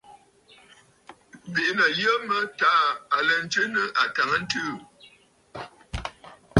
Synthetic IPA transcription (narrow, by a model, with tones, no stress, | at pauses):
be˨˦nə˨jə˦mə˦ta˦˨a˨lə˨n̩˨˦tə˦nə˦ʔa˨ta˨ŋə˦n̩˦tɨ˦˨